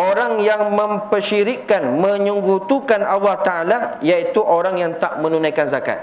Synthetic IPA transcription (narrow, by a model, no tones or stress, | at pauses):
oɾaŋjaŋmə̃mpərʃiɾikːanmə̃ɲuŋɡut̪ukanʔalːɑht̪aalajait̪uʔoɾaŋjaŋt̪aʔmə̃nunãjkanzaka̰t̪̚